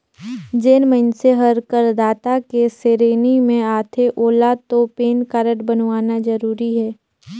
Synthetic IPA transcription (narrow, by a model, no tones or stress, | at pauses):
d͡ʒeːnmənseɦəɾkəɾd̪aːt̪akeseɾeːnimẽaːt̪ʰeʔoːlat̪opeːnkaːɾəʈbənwaːnad͡ʒəɾuːɾiɦɛː